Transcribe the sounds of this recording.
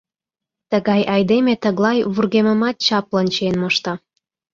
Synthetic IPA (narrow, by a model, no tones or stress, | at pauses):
t̪əɣɑjʔɑjd̪emet̪əɣlɑjβurɣemə̆mɑt̪̚t͡ɕɑplənʲt͡ɕenmoʃt̪ɑ